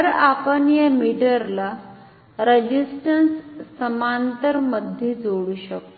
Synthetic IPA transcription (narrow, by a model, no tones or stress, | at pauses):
əɾapənjəmiɽəɾla | ɾed͡ʑisʈənsːəmant̪əɾməd̪ʱed͡zoɽuːɕək̚t̪o